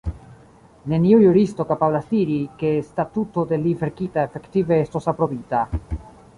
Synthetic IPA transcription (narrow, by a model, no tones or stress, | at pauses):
ne̞niujuɾisto̞kapablasdiɾike̞statuto̞de̞live̞ɾkitae̞fe̞ktive̞esto̞sapɾo̞bita